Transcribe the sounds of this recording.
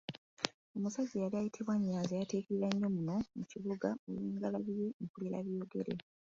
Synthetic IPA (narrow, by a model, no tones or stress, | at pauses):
o̞musaɟːejaliajitʰiβwaɲːaːnzejateːkiɾiɾaɲːo̞muno̞muciβuɡaoliːŋɡalaβijeŋkuliɾa̰βjoːɡe̞ɾḛ